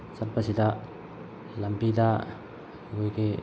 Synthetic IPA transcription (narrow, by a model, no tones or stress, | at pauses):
sat̚basida | lambida | ɡojɡe